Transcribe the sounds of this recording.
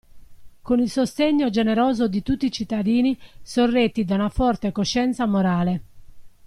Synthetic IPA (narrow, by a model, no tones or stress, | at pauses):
konilsost̪eɲːod͡ʒeneɾɔːzod̪it̪ut̪ːit͡ʃit̪ːad̪iːnisorːet̪ːid̪aunafɔrt̪ekoʃːɛnt̪samoɾaːle